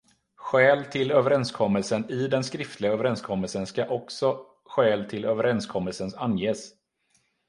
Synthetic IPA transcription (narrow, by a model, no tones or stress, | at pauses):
ɧɛːlt̪ʰɪløːvəɾɛnskʰɔmːəlsənɪd̪ɛnskɾɪft̪ʰlɪɡaøːvəɾɛnskʰɔmːəlsənskaʔɔksɔ | ɧɛːlt̪ʰɪløːvəɾɛnskʰɔmːəlsənsanːjeːs